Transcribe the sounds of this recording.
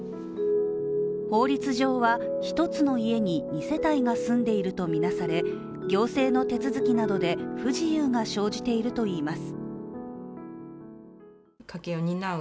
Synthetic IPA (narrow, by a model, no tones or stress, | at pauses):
ho̞ːɾʲit͡sɨʑo̞ːβaçi̥t̪o̞t͡sɨno̞ie̞ɲ̟iɲise̞t̪aiɡasɨ̃nd̪e̞iɾɯ̟t̪o̞mʲinasaɾe̞ | ɡʲo̞ːse̞ːno̞t̪e̞t͡sɨzɨkʲinad̪o̞d̪e̞ɸɯ̟ʑijɯːŋaɕo̞ːʑit̪e̞iɾɯ̟t̪o̞iːmasɨ̥ | kʰakeoɲʲina